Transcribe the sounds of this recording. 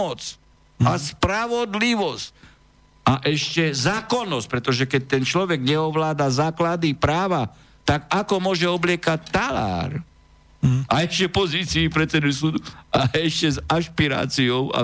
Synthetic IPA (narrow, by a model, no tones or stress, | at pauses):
ɔt͡s | aspɾaʋɔd̪liʋɔsc | aʔɛʃcɛzaːkɔnːɔsc̚pɾɛt̪ɔʒɛkɛc̚t̪ɛnt͡ʃlɔʋɛɡɲɛɔʋlaːd̪azaːklad̪ipɾaːʋa | t̪aɡakɔmʊɔʒɛɔblɪɛkac̚t̪ala̰ːɾ | aɛʃcɛpɔziːt͡siːpɾɛt̪t͡sɛd̪usuːd̪uaɛʃcɛzaʃpiɾa̰ːt͡siɔʊa̰